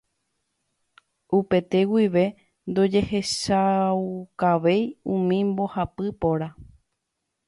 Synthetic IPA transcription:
upe̞t̪e̞wiʋe̞ | nd̪o̞d͡ʒe̞he̞ʃaukaʋe̞jũmĩmbo̞hapɨpo̞ɾa

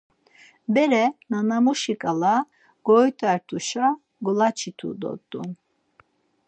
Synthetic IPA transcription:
bɛɾɛnanamuʃikʼala | ɡ̥ɔjt̪ʰʼaɾt̪ʰʼuʃa | ɡɔlat͡ʃʰit̪ʰṵd̪ɔ̰t̪ʼːṵn

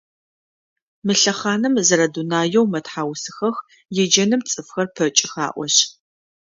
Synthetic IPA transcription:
mɨɬɐχaːnɨmzɐɾɐdunaːjɛwmɐtħaːwsɨxɐx | jɛd͡ʒɐnɨmt͡sʼɨfxɐrpʰɐt͡ʃʼɪxa̰ːʔʷɔɕ

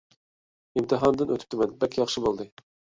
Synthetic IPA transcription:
imt̪ʰɨɦɑnd̪ɨnʔøt̪ʰy̥p̚t̪ʰɪmɛnbɛkʲjɑχʃɨbolˠd̪ɨ

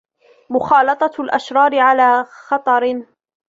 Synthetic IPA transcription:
mʊxɑːlɑt̪ˤɑlʔaʃɾˤɑːɾɪʕalaːxɑt̪ˤɑɾ

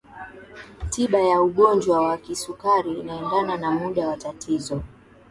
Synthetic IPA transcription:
tʰiɓajauɠɔnd͡ʒwawakisukaɾiːnaɛndananamuɗawatatʰizɔ

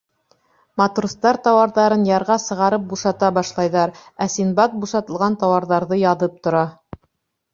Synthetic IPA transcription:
mɑt̪rust̪ɑɾt̪ɑwɑɾðɑɾɤnjɑɾʁɑsɤ̆ʁɑɾɤp̚buʃɑt̪ɑbɑʃlˠɑjðɑɾæsinbɑt̪̚buʃɑt̪ɤ̆lˠʁɑnt̪ɑwɑɾðɑɾðɤjɑðɤp̚t̪ŏɾɑ

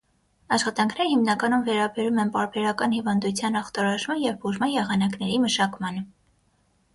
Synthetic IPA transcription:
ɑʃχɑt̪ɑŋkʰnɛɾəhimnɑkɑnumvɛɾɑbɛɾumɛnpɑɾbɛɾɑkɑnhivɑnd̪ut͡sʰjɑnɑχt̪ɑɾɑʒmɑnjɛvbuʒmɑnjɛʁɑnɑknɛɾiməʃɑkmɑnə

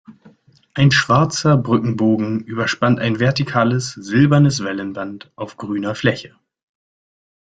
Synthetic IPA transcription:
ʔaɪnʃv̥aɐt͡sɐbʁʏkŋ̩boːɡŋ̩ʔyːbɐʃpantaɪnvɛɐtikʰaːləsz̥ɪlbɐnəsv̥ɛlənbantʔaʊfɡ̥ʁyːnɐflɛçə

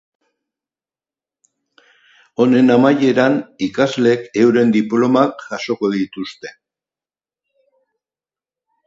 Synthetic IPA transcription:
o̞ne̞namaje̞ɾanikazleke̞wɾe̞nd̪iplo̞makʝaʃo̞ko̞ðit̪ust̪e̞̥

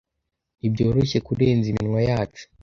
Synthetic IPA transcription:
ibɟo̞ːɾoçe̞kuɾe̞ːnziminŋwajaːt͡ʃu̥

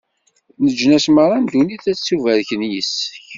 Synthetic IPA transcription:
nəd͡ʒnæsməɾˤɑnd̪uniθæt͡sːuvæɾçənjəsːəç

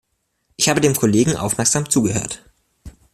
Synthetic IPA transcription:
ʔɪçhaːbədeːmkʰoleːɡŋ̩ʔa̰ʊfmɛɐkz̥aːmt͡suːɡəhø̰ːɐt

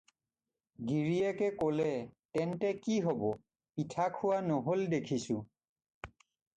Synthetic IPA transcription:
ɡiɹijɛkɛkolɛtɛntɛkiɦobɔ | pitʰakʰʊwanoɦoldekʰisʊ̃

